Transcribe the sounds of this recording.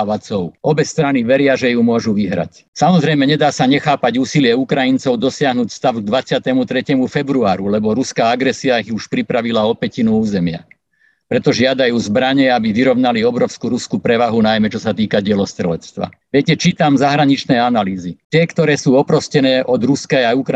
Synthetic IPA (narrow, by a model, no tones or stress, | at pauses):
ʋat͡sɔʊɔbɛst̪ɾaniʋɛɾɪaʒɛjumʊɔʒuʋiɦɾa̰c | samɔzɾɛjmɛɲɛd̪aːsaɲɛxaːpaɟuːsilɪɛukɾajint͡sɔʊd̪ɔsɪaɦnuːcst̪aʊɡ̚d̪ʋat͡sɪat̪ɛmut̪ɾɛcɛmufɛbɾuaːɾulɛbɔɾuskaːaɡɾɛsiaiɣuʃpɾipɾaʋilaɔpɛcinuuːzɛmɪa̰ | pɾɛt̪ɔʒɪad̪ajuːzbɾaɲɛabiʋiɾɔʊnaliɔbɾɔʊskuɾuskupɾɛʋaɦunajmɛt͡ʃɔsat̪iːkaɟɪɛlɔst̪ɾɛlɛt͡st̪ʋa̰ | ʋɪɛcɛt͡ʃiːt̪amzaɦɾaɲit͡ʃnɛanaliːzit̪ɪɛkt̪ɔɾɛːsuːɔpɾɔscɛnɛːʔɔd̪ɾuskɛaukɾ